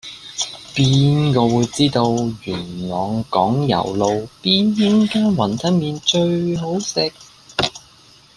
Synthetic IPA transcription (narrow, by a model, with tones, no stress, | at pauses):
piː˥nkɔː˧wuː˨˧jt͡siː˥t̪o˧wjyː˨˩nlɔː˨ŋkɔ̰ː˨˥ŋjɐ̰˨˩wlo˨˧wpiː˥njɪ˥ŋkaː˥nwɐ˨˩nt̪ʰɐ˥n̚miː˧nt͡ʃɵ˧ɥɦo˨˥wsɪ˨k̚